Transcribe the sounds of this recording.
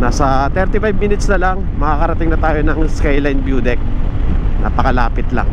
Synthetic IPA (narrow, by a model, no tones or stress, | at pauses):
nasɐt̪ɛɾt̪ɪfajbmiːnɪt̪snɐlaŋ | mɐkakɐɾɐt̪ɪŋnɐt̪aːjonɐŋskajlajnbjuːd̪ɛk̚na̰ːpɐkɐla̰ːpɪt̪la̰ŋ